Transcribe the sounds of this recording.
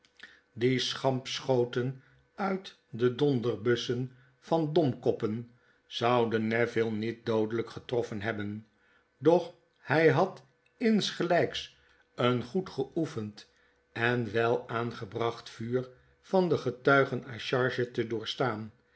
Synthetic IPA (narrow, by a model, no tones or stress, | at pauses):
disχɑmpsχowtən | œɥt | dədɔndəɹbɵsən | v̥ɑndɔmkɔpən | z̥ɑwdənɛvɪlˠnit̚dowdələkχətrɔfənɦɛbən | dɔχ | hɛjɦɑt | ɪnsχəlɛjks | ənχutχəʔufənt | ʔɛnʋɛlˠaːnχəbrɑχtfyːɹ | fɑndəχətœɥχənaʃɑɹʒətədʊːɹstaːn